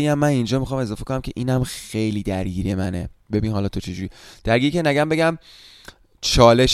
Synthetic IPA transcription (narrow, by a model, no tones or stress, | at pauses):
ejæmːænind͡ʒɒːmixɒːme̞zɒːfe̞konæmcʰe̞ʔiːnæmxe̞jliːd̪æɾɟiːɾiemænḛbe̞biːnhɒlɒːt̪ʰo̞t͡ʃʰed͡ʒuːɾiːd̪̥æɾɡiːɾicʰenæɟæmbe̞ɟæm | t͡ʃʰɒːle̞ʃ